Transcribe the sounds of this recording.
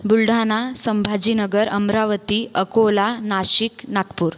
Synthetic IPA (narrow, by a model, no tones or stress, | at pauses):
bulɖʱanasəmbʱad͡ʑinəɡəɾəmɾaʋət̪iʔəkolanaɕiknakpuːɾ